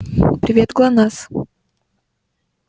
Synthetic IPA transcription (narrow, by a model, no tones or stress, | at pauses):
pɾʲɪvʲet̪ɡlˠanas